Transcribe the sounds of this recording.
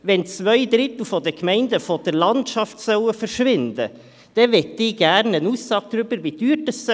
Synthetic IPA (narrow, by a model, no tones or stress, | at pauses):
ʋɛnt͡svœʏd̪ɾɪt̪l̩ˠfɔdəkmɛɪnd̪əfɔd̥əɾlɑntʃɑftsœwəfəɾʃʋɪnd̥̪ə | d̥ɛvɛt̪ːɪːɡ̥æɾnənuːsːɑːɡ̥̚d̪ɾʏb̥əɾvidyːtəss